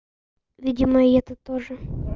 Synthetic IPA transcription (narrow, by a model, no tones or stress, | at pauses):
ʋʲidʲɪmɐiɛt̪ət̪oʐɨ